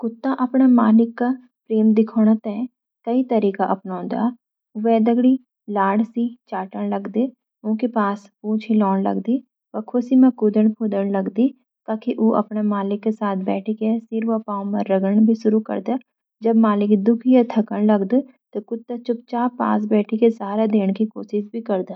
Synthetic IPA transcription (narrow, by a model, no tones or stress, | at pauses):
kʊt̪ːaːʔəpɳaːmaːlɪkːaː | pɾeːmd̪ɪkʰoːɽ̃aːt̪ɛ̃ | kəiːt̪əɾiːkaːʔəpnɔ̃ːnd̪a̰ː | oʋɛːd̪əɡɽiː | laːɽsiːt͡ʃaːʈəɳləɡd̪eː | õːkipaːspõːt͡ʃʰiːlɔːɳlə̰ɡd̪iː | pəkʰosiːmãkʊd̪əɳpʰoːd̪əɳləɡd̪iː | t̪aːkiʔuʔɐ̰pnemaːlɪkːesaːt̪̚ʰbɛːʈʰikesɪɾʋəpaːũmɐɾəɡəɽbʱiʃʊɾukə̰ɾd̪a | d͡ʒɐbmaːlɪkd̪ʊkʰijat̪ʰɐkəɳləɡd̪e | t̪okʊt̪ːat͡ʃʊp̚t͡ʃaːpa̰ːs̬bɛːʈʰikesaːɾad̪eːɽkikoːʃɪʃbʱikɐɾd̪aː